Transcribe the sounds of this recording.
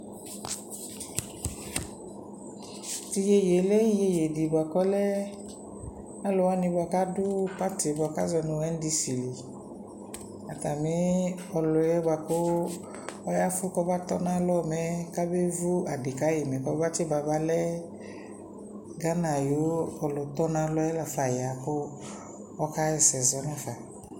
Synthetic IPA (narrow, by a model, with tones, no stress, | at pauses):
ti˧je˧je˨˦lɛ˦i˦je˧je˨di˨ba˨kɔ˦lɛ˦ | na˦lo˧˦wa˦nĩ˧ba˨˧˨ka˦du˦pa˦te˨˦bɔ˧˨ka˦zɔ˧nũ˧ɛ˦n˦di˧si˨li˨ | a˨ta˨mi˨˦ɔ˧lɔ˨jɛ˦ba˨ko˦ | ɔ˦ja˦fʊ˦kɔ˦ba˦t̪ɔ˦nã˦lɔ˦˨mɛ˨˦ka˦be˦vu˦a˨di˨ka˦ji˨mɛ˨kɔ˦ba˦t͡ʃe˦ba˨ba˦lɛ˦ | ɡa˦nã˨jo˨˦ɔ˨lʊ˨t̪ɔ˦nã˨˦lɔ˦ɛ˦la˨fa˨ja˨kʊ˦ | ɔ˦ka˦ɛ˨sɛ˨zɔ˨˦nã˦fa˨